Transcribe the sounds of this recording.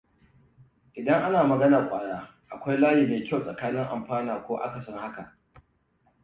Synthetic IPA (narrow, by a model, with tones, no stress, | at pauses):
ʔɪ˨dɐ˦ŋʔa˦naː˨mɐ˨ɡɐ˦naː˨kʷʼaː˨ɽaː˦ | ʔa˨kʷa˦jlaː˦ji˨meː˨kʲa˦˨wsʼɐ̰˨kaː˦nɪ˦ŋʔa˨mɸaː˦naː˨kʷoː˦ʔa̰˦ka˨sɔ˦ŋha˦ka˨ʔ